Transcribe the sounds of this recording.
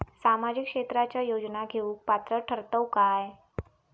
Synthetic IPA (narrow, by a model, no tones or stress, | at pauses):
samad͡ʑikʂet̪ɾat͡ɕjajod͡ʑnaɡʱeũk̚pat̪ɾəʈʰəɾt̪əwkaj